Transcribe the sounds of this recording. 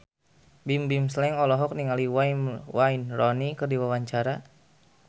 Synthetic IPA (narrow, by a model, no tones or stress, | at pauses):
bimbimslɛŋɔlɔɦɔk̚niŋaliwainwainrɔnikɨrdiwawaɲt͡ʃaɾa